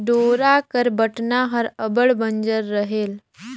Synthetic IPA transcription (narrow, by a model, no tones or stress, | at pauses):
ɖoɾakəɾbəʈnaɦəɾəbəɭbəɲd͡ʒəɾːəɦel